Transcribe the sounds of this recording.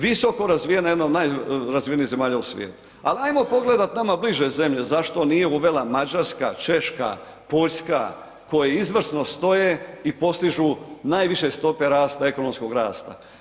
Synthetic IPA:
ʋiso̞ko̞ɾazʋijenajed̪naod̪najɾazʋijenize̞maːʎausʋʲjḛːt̪u̥ | a̰liajmo̞po̞ɡle̞d̪at̪namabliʒeze̞mʎe̞zaʃt̪o̞nije̞uʋe̞lamad͡ʒaɾska̰t͡ʃe̞ʃka̰ | po̞ʎska̰ | ko̞jeizʋr̩sno̞st̪o̞jeipo̞st̪iʒunaːjʋiʃe̞st̪o̞pe̞ɾaːst̪ae̞ko̞no̞msko̞ɡɾaːst̪a̰

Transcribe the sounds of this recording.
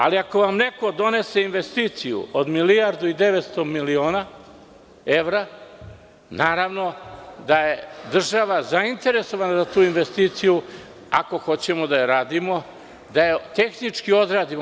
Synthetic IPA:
a̰liako̞ʋamne̞ko̞d̪o̞ne̞se̞inʋe̞st̪iːt̪sijṵod̪milijaɾd̪uid̪e̞ʋet̪st̪omilioːna | eʋɾa | naːɾaʋno̞d̪aje̞d̪r̩ʒaʋazaint̪e̞ɾe̞so̞ʋanazat̪uːinʋest̪iːt̪siju | a̰ko̞xo̞t͡ɕemod̪ajeɾaːd̪imo̞ | d̪ajet̪e̞xnit͡ʂkio̞d̪ɾaːd̪im

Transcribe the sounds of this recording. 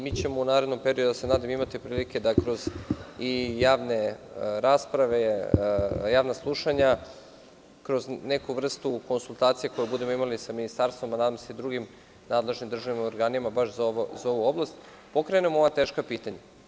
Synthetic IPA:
mit͡ɕe̞mo̞unaːɾed̪nompeɾiod̪asenaːd̪amimat̪ipɾiːlike̞d̪akɾo̞zijaːʋne̞ɾaːspɾaʋe̞ | jaːʋnaslˠuʃaɲa | kɾo̞zne̞kuʋr̩st̪ukonsulˠt̪aːt̪sijeko̞jubud̪e̞moimalisaminist̪aɾst̪vʋo̞manad̪amoseid̪ɾuɡim | naːd̪le̞ʒnimd̪ɾr̩ʒaʋinimaoɾɡaːnimabaʃzaoʋozao̞ʋuo̞blˠast̪ | po̞kɾenemooʋat̪e̞ːʃkapiːt̪aɲa

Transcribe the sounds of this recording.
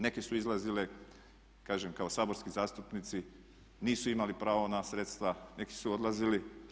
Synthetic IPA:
ne̞kesuizlˠazile | kaːʒemkaosaːbo̞ɾskizaːst̪upnit̪si | niːsuimalipɾaːʋo̞nasɾet̪st̪ʋane̞ki̥suo̞d̪lˠazili

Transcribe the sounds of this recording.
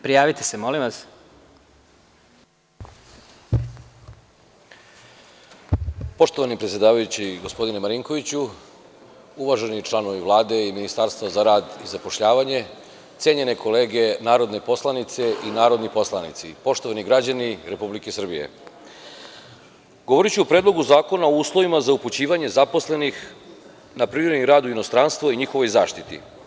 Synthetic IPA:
pɾijaːʋit̪esemo̞limʋas | po̞ʃt̪o̞ʋanipɾet̪sʲje̞d̪aːʋajut͡ɕiɡo̞spo̞d̪ine̞maɾiŋko̞ʋit͡ɕu | uʋaʒe̞nit͡ʃlˠano̞ʋiʋlˠaːd̪e̞iminist̪aɾst̪vazaɾaːd̪izapo̞ʃʎaːʋaɲe̞ | t̪sjeːɲe̞ne̞ko̞le̞ːɡe̞naːɾo̞d̪ne̞po̞slˠanit̪se̞ʔinaːɾo̞d̪nipo̞slˠanḭt̪sipo̞ʃt̪o̞ʋaniɡɾad͡ʑaniɾe̞publikesr̩bije̞̰ | ɡo̞ʋo̞ɾit͡ɕuupɾed̪lˠo̞ɡuzaːko̞naouːslˠo̞ʋimazauput͡ɕiːʋaɲe̞zapo̞sle̞nix | napɾiɾed̪niɾaːd̪uino̞st̪ɾanst̪ʋoiɲixo̞ʋo̞jzaːʃt̪it̪ḭ

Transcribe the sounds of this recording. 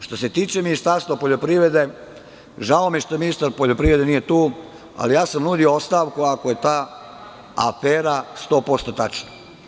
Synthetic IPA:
ʃt̪o̞se̞t̪iːt͡ʃeminist̪aɾst̪ʋapo̞ʎo̞pɾiːʋɾe̞d̪e̞ | ʒaomjeʃt̪ominist̪aɾpoʎo̞pɾiʋɾed̪enijet̪uː | a̰lijaːsamnuːd̪ioost̪aːʋkuakoje̞t̪aː | a̰feːɾast̪o̞ːpo̞st̪ot̪at͡ʃna

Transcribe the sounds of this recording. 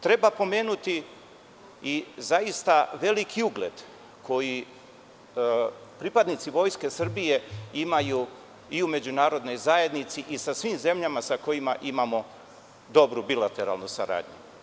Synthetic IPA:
t̪ɾe̞bapo̞me̞ːnut̪i | izajist̪aʋe̞likʰiuɡle̞̰d̪̥ | kʰo̞ji | pɾipad̪nit̪siʋo̞jske̞sr̩bije̞imaju | iume̞d͡ʑunaːɾo̞d̪no̞jzae̞d̪nit̪siʔisasʋimze̞mʎamasako̞jimaʔimamo̞ | d̪o̞bɾubilat̪e̞ɾa̰lˠnusa̰ɾa̰ːd̪ɲu

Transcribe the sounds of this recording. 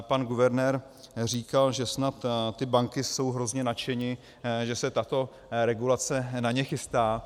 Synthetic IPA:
panɡuvɛɾnɛɾ | r̝iːkalʒɛsnat̪t̪ɪbaŋkɪso̞wɦɾo̞zɲɛnat͡ʃɛɲɪ | ʒɛsɛt̪at̪o̞ | ɾɛɡulat͡sɛnaɲɛxɪst̪aː

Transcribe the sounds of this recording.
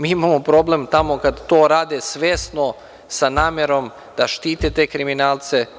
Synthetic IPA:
miːimamopɾo̞ble̞mt̪amo̞kad̪t̪oːɾaːd̪esʋeːsno | sanaːmjeɾo̞m | d̪̥aʃt̪iːt̪et̪eːkɾiminaːlt̪se

